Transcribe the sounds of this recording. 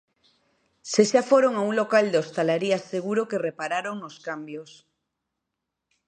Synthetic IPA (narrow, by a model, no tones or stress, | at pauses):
seʃafoɾoŋauŋlo̞kald̪eost̪alaɾiasːeɣ̞uɾokerepaɾaɾoŋnoskambjos